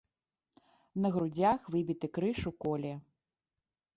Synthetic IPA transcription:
nɐɣɾud͡zʲaxvɨbʲit̪ɨkɾɨʂukɔlʲɛ

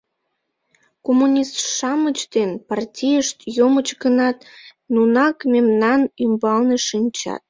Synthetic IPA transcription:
komunʲist̪ʃɑmət͡ɕd̪enpɑrtʲijəʃt̪jomət͡ɕɡənɑt̪ | nunɑkmemnɑnymbɑlneʃinʲt͡ɕɑ̰t̪̚

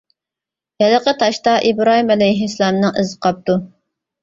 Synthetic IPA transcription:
jɛləqʰət̪ʰɑʃt̪ɑʔibɾɑːɦimɛlɛjɦislˠɑmnɨŋʔɨzəqʰɑp̚t̪u

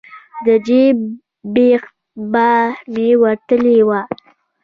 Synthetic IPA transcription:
d̪əd͡ʒe | bex | bahmewat̪əlewa

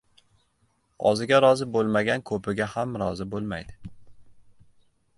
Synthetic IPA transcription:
ɒ̰zɪɡʲaɾɒzɪbolˠmaɡʲankʰɵpʰɪɡʲahamɾɒzɪbolˠma̰jd̪ɪ

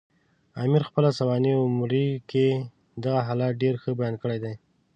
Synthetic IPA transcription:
ɑmiɾxpəlasawɑniʊmɾike | d̪aɣaɦalɑt̪̚ɖeɾxəbajɑnkəɽajd̪aj

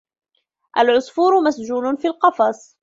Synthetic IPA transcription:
ʔalʕʊsfuːɾʊmasd͡ʒuːlʊnfilqɑfɑsˤ

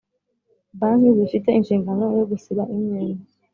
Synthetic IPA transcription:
baniβifite̞inʃiːŋɡano̞joɡusiɾaʔimɲeːna

